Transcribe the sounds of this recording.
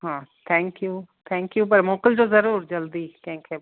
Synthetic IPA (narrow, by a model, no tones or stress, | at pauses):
ɦãːt̪ʰɛ̃ːŋkjuːt̪ʰɛ̃ːŋkjuːpɐɾmoːkɪlt̪ozɐɾuːɾd͡ʒɐld̪iːkɛ̃ːkʰe